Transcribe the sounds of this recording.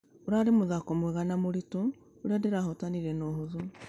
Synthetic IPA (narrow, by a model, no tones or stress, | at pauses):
oɾaɾemoðakomweɣanamoɾitoː | ɾiadeɾaɦotaniɾɛnoɦoðo